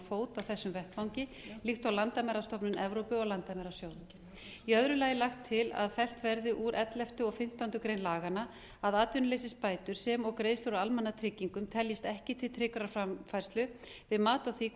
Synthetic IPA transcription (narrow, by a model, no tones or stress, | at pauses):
foːwt̪awθɛsːʏmvɛht̪fawɲcɪ | lixt̪awlant̪amɛɾast̪ɔpnʏnɛvɾowpʏɔɣlant̪amɛɾasjow | iœðɾʏlaːjɪlaxt̪ʰːɪla̰ðfɛl̥t̪vɛɾðɪʔuɾʔɛt̪lɛft̪ʏɔɣfɪm̥t̪awnt̪ʏkɾejnlaːɣana | aðaːt̪vʏnʏlejsɪspaːjt̪ʏɾ̥sɛmɔɣkɾeːjðslowɾawalmɛnːat̪ʰɾɪcːiŋkʏmt̪ʰɛljɪst̪ɛhcɪt̪ʰɪlt̪ʰɾɪkɾaɾfɾamfajɾ̥st̪lʏvɪðmaːt̪ɔθiːk